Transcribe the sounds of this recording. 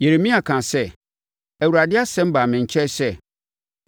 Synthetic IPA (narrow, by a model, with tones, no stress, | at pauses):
je˨ɾe˨mĩ˦a˨kʰã˨sɛ˦˨ | æ˨wu˨ɾa˨dɪ˦a˦sɛ̃˦m̩˦ba˨mɪ̃˨ɲ̩˨t͡ɕʰɛ˦sɛ˦˨